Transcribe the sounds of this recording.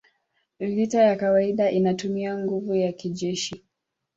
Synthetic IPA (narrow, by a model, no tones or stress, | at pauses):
vitajakawaiɗaʔinatumiaŋɡuvujakiʄɛʃi